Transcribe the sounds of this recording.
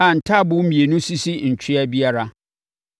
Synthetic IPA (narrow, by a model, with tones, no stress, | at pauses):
a˨n̩˨tʰa˦bʊ̃˦m̩˦mĩ˨e˨nʊ̃˦si˦si˦ɲ̩˨t͡ɕʰᶣi˦a˦bi˦a˦ɾa˦